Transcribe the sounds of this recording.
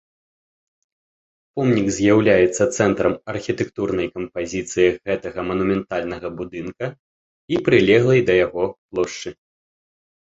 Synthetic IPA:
pɔmnʲiɡzʲjawlʲajɛt̪sːɐt̪sɛnt̪ɾɐmɐrxʲit̪ɛk̚t̪urnɐjkɐmpazʲit̪sɨjiɣɛt̪ɐɣɐmɐnumʲɛnt̪alʲnɐɣɐbud̪ɨnkɐ | ipɾɨlʲɛɣlˠɐjd̪ɐjaɣɔplˠɔʂt͡ʂɨ

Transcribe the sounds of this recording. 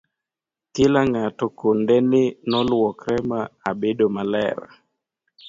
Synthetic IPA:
tɪlaŋatɔkondɛnɪnɔlwɔkɾɛmaabedomalɛ̰ɾa̰

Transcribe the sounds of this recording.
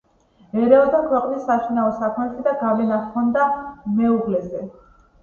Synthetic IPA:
ɛɾɛɔd̪akʰwɛqʼnisːaʃinaɔsakʰmɛt̪ʰɛd̪aɡalɛnat̪kʰɔnd̪amɛuɡlɛzɛ

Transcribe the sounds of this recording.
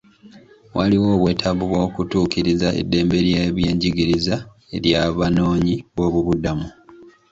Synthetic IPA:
wʔaliwo̞ːβwe̞ːtʰaβuβwo̞ːkutuːkiɾizaḛdːe̞ːmbe̞ɾjeβje̞ːɲɟiɡiɾiza | e̞ɾjaβano̞ːɲiβo̞βuβudamu

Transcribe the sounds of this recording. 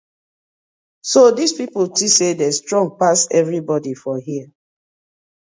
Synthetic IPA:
sodispipultisedɛstɹɔ̃ŋɡ̚pasɛvɹibɔdifɔɦiə

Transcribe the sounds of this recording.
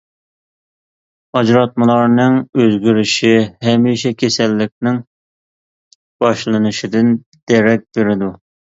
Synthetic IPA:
ɑd͡ʒɾɑt̪̚mɨlˠɑɾnɨŋøzɡʲiɾɪʃihɛmiʃɛkʲʰesɛlːɪkʲnɪŋ | b̥ɑʃlˠɨnɨʃid̪ɪn | d̪̥ɛɾɛk̚ʲb̥eɾɪd̪u

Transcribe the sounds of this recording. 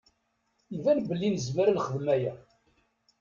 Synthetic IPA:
ivænbəlːinəzməɾnχəðmæjæ

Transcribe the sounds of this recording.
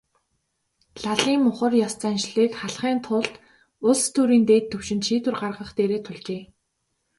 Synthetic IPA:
ɮaɮiːmmːʊχə̆rjɔst͡sæːnʃɮiːkχaɮχiːnt̪ʰʊɮt̪ | ʊɮst̪ʰuːɾiːnt̪eːt̪ʰːɵwʃɪ̆nt̪ʃiːt̪wɘ̆rɢarʁə̆χt̪eːɾeːt̪ʰʊɮt͡ɕeː

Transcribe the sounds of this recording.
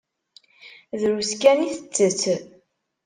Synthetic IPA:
ðɾuskæniθət͡sːət͡sː

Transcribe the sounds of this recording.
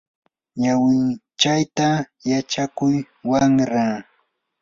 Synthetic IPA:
ɲawɪn | t͡ʃajt̪a | jat͡ʃakʊj | waŋɾa

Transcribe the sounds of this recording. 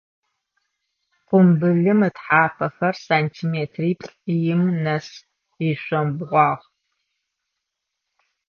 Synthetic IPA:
qʷʊmbɨɮɨmɨtħaːpʰɐxɐrsaːntʰiːmeːtʰriːpɬʼjɪmnɐs | iɕʷɔmbʁʷɑːʁ

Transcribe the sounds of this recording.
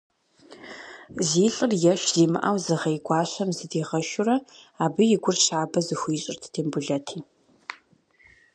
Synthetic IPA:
ziːɬʼɨrjɛʃz̥iːmɨ̰ʔɐwzɨʁɐjɡʷɑːɕɐmzɨdiːʁɐʃʊrɐaːbɨjɪɡʷʊrɕaːbɐzɨxʷiːɕʼɪ̰rtʰtʰeːmbʊɮɐtʰiː

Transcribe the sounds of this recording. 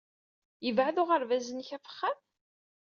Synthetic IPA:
jəvʕaðʊʁəɾvæzənçæfə̥χːæm

